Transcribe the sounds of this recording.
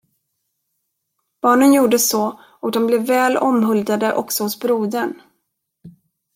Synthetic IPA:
b̥ɑːɳənjuːɖəsɔː | ɔkd̪ɔmblɛvːɛːlɔmɦɵld̪ad̪əʔɔ̰ksɔhʊsbɾuːd̪əɳ

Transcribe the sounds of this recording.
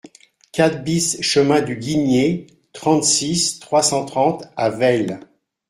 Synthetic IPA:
kʲat̪̚bisʃəmɛ̃d̪yɡʲinje | t̪χɑ̃t̪sist̪χwasɑ̃t̪χɑ̃t̪avɛl

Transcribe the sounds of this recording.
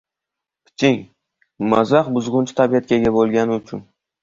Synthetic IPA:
pʰɪ̥t͡ʃʰɪŋ | mazaqbʊzʁʊnt͡ʃʰɪ̥t̪ʰabijat̪̚kʲaɡʲabolˠɡʲanɪʊt͡ʃʰʊn

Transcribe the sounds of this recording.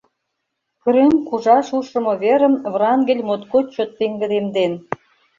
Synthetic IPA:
kə̆ɾemkuʒɑʃuʃə̆mŏβeɾə̆mvrɑŋɡĕlʲmot̪kot͡ɕot̪ːeŋɡə̆d̪emd̪en

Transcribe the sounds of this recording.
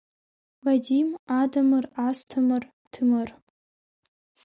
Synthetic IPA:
vadimadɐmɨrastʰɨmɨr | tʰɨmɨr

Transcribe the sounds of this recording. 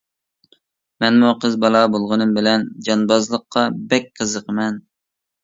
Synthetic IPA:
mɛnmuqʰəzbɑlˠɑbolˠʁɨnɨmbɪlɛnd͡ʒɑnbɑzlˠəqʰːɑbɛk̚ʲqʰəzəqəmɛn

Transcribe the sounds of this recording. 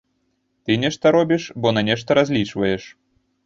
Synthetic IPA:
t̪ɨnʲɛʂt̪ɐɾɔbʲiʂbɔnanʲɛʂt̪ɐɾazʲlʲit͡ʂvɐjɛʂ

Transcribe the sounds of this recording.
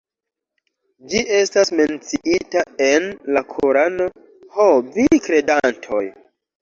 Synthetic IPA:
d͡ʒiʔe̞stasme̞nt͡siʔitaenlakʰoɾano̞ | hovikɾe̞dantʰo̞̰j

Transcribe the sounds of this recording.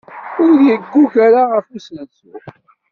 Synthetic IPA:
ʊɾðjəɡːuçaɾaʁəfusnət͡sʊ

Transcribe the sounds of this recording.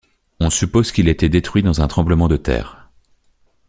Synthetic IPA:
ɔ̃sypozkʲilet̪ɛd̪et̪χɥid̪ɑ̃zɛ̃t̪χɑ̃bləmɑ̃d̪ət̪ɛ̰ːʁ

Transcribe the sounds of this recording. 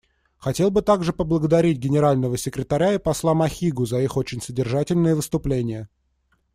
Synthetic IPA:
xɐtʲe̞lˠbɨt̪aɡʐɨpəblˠəɡəd̪ɐɾʲitʲɡʲɪnʲɪɾalʲnəvəsʲɪkɾʲɪt̪ɐɾʲaipɐslˠamɐxʲiɡʊzɐixot͡ɕɪnʲsədʲɪrʐatʲɪlʲnəjəvɨst̪ʊplʲenʲɪjə

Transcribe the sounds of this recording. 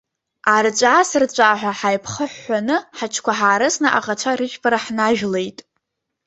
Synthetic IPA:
art͡ʃʷʼasɨrt͡ɕʷʼaːħʷᶣaħajpʰχəħːanɨħat͡ʃʰkʷʰaħaːɾɨsnɨʔa̰ʁat͡ʃʷʰaɾɨʒᶣpʰʼaɾaħnaʒᶣle̞jtʼ

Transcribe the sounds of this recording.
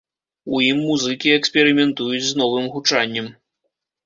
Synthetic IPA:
uimːuzɨkʲiɛksʲpʲɛɾɨmʲɛnt̪ujut͡sʲznɔvɨmɣut͡ʂanʲːɛm

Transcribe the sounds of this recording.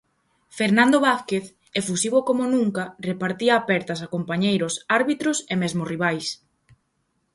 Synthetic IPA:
feɾnãnd̪oβaθkeθ | efusiβokomonũŋkarepaɾt̪iɐːpɛɾt̪ɐs̬akompaɲejɾosaɾβit̪ɾosemezmoriβ̞ajs

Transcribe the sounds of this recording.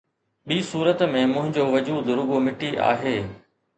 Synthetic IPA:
ɓiːsuːɾət̪mẽmʊ̃ɦɪ̃ɲd͡ʑoːʋɐd͡ʑuːd̪ɾʊɡomɪʈiʔa̰ːɦeː

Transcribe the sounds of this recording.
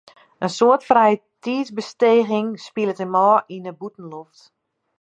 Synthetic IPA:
ənsoətfrɛjətʰiːsbəsteːɣɪŋspilˠətəmɔːinəbutn̩loft

